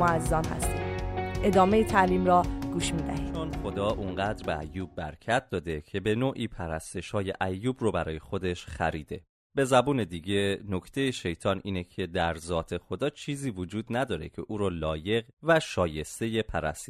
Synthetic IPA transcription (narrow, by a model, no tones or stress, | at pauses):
oæzzɒːnhæ̰st̪ḭe̞d̪ɒːme̞jit̪ʰæliːmɾɒːɡ̥uːʃmiːd̪æ̰hid̪ʰonxo̞d̪ɒːʔuŋɢæːd̪ɾbeæ̰jːuːb̚ːæ̰ɾcʰæt̪̚d̪ɒːd̪e̞cʰe̞be̞noːʔiːpʰæɾæst̪e̞ʃhɒːje̞ʔæjːuːbrobæɾɒːjexo̞d̪e̞ʃxæ̰ɾiːd̪e̞ | b̥e̞zæbuːne̞d̪iːɟe̞no̞cʰt̪ʰe̞jeʃe̞jt̪ʰɒːnʔiːnecʰe̞d̪æɾzɒːt̪ʰe̞xo̞d̪ɒːt͡ʃʰiːziːvod͡ʒuːd̪næd̪ɒːɾe̞̰cʰe̞ʔuːɾɔːlɒːje̞ɣvæʃɒːje̞st̪e̞je̞pʰæɾæ̰st̪i